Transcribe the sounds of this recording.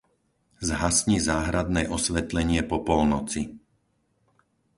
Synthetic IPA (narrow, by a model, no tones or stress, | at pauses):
zɦasɲizaːɦɾad̪nɛːʔɔsʋɛt̪lɛɲɪɛpɔpɔlnɔt͡si